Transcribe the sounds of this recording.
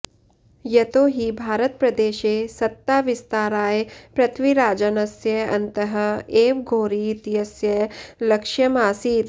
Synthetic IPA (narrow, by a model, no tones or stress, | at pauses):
jɐt̪oːɦibʱaːɾət̪̚pɾɐd̪eːʃeːsɐt̪ːaːʋɪst̪aːɾaːjepɾɐt̪ʰʋiɾaːd͡ʒanɐsjɐɐ̰̃nt̪əɦəeːʋɡʱoːɾit̪jɐsjɐlɐkʃjɐmaːsiːt̪